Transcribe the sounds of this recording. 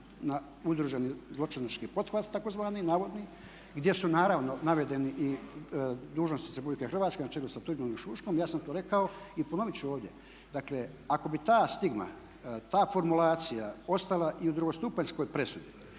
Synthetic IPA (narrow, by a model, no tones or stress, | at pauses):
na | ud̪ɾuʒenizlˠo̞t͡ʃinat͡ʃkipo̞t̪xʋat̪t̪ːako̞zʋaːninaːʋo̞d̪ni | ɡd̪je̞sunaːɾaʋno̞naʋe̞d̪eniʔi | d̪uːʒnost̪i̥sɾepublikexr̩ʋaːt̪skenat͡ʃelusat̪uɾnomiʃuʃko̞mjaːsamt̪oːɾe̞kao̞ipono̞ʋit͡ʃuoːʋd̪jḛ | d̪akle | ako̞bit̪aːst̪iɡma̰ | t̪aːfo̞ɾmulaːt̪sijao̞st̪alaʔiud̪ɾuɡo̞st̪upaɲsko̞jpɾe̞sud̪i